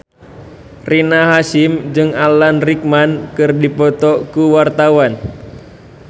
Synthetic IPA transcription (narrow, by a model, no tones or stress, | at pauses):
rinaɦasimd͡ʒɨŋalanrik̚mankɨrdipɔt̪ɔkuwart̪awan